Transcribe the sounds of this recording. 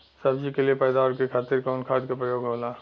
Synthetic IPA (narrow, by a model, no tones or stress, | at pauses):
səbd͡ʒikeliepəːɪd̪aɔɾkekʰaːt̪iɾkaʊnkʰaːd̪kapɾəjoːɡɦoːlaː